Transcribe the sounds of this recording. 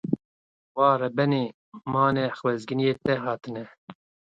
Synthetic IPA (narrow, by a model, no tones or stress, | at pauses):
wɑːrɛbɛniː | mɑːneːxwɛzɡɨnijeːt̪ɛɦɑːt̪ɨnɛ